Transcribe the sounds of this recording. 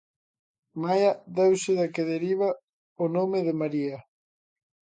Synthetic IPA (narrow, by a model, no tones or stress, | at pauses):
majaðɛwsɪðakeðeɾiβ̞a | onomeðɪmaɾia